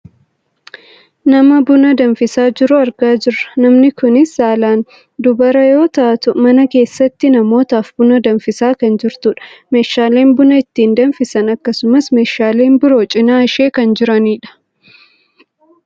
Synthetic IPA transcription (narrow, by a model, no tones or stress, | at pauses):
nɐmɐbʊnɐd̪ɐnfɪsaːd͡ʒɪɾʊɐɾɡaːd͡ʒɪrːɐ̥nɐmnɪkʊnɪsːaːlaːn | d̪ʊbɐɾɐjo̞ːt̪ɐʔɐt̪ʊmɐnɐke̞ːsːɐt̪ːɪnɐmo̞ːt̪aːfbʊnɐd̪ɐnfɪsaːkɐnd͡ʒɪɾt̪ʊᶑɐ̥meːʃːaːle̞ːmbʊnɐɪt̪ːiːnd̪ɐnfɪsɐnɐkːɐsʊmɐsme̞ːʃːaːle̞ːnbʊɾo̞ːt͡ʃʼɪnaːɐʃe̞ːkɐnd͡ʒɪɾɐniːᶑɐ̥